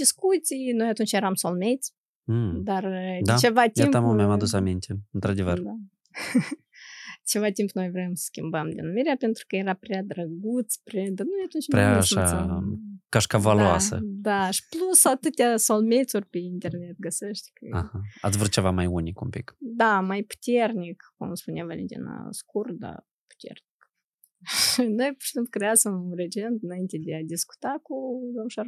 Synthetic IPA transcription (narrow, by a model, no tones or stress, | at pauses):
d̪ʲiskut̪sʲijnojat̪unt͡ʃjeɾamsolmʲet̪s̩ʲ | d̪ard̪at͡ʃevat̪ʲiemt̪amulmʲamad̪usamint̪ʲeɨnt̪ɾad̪evəɾd̪a | t͡ʃevat̪ʲimpno̞jvɾʲemsə̥skʲimbəmd̪ʲenumʲiɾʲeapʲent̪ɾu̥kəjeɾaprʲad̪ɾəɡut̪sprʲad̪anojat̪unt͡ʃ̪pɾeaːʃa | kaʃkavaluasə̰d̪aʃi̥plussawat̪ɨt̪ʲasolme̞t̪surʲpʲeint̪e̞rne̞t̪̚ɡəseʃt̪ʲkəahaa̰t̪sʲvɾut̪̚t͡ʃe̞vamajunikumpḭkd̪amajpu̥t̪ʲernikkumspuneavalʲent̪ʲḭna̰skurd̪a̰ | pu̥t̪ʲḛrnik | ʃinojpʃt̪imkɾeasəmred͡ʒent̪ɨnajint̪ʲed̪ead̪ʲisku̥t̪akud̪omʃar